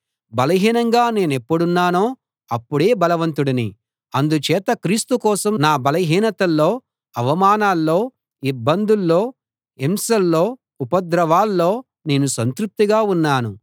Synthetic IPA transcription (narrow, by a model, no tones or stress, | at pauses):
bɐlɐɦiːnɐŋɡaːne̞ːnepːuɽunːaːnoː | ɐpːuɽe̞ːbɐlɐʋɐnt̪uɽinḭ | ɐnd̪ut͡ʃɛːt̪ɐkɾiːst̪ukɔːsɐmnaːbɐlɐɦiːnɐt̪ɐlːo̞ː | ɐʋɐmaːnaːlːo̞ː | ibːɐnd̪ulːoː | emsɐlːo̞ː | upɐd̪ɾɐʋaːlːo̞ː | ne̞ːnusɐnt̪ɾup̚t̪iɡaːunːaːnu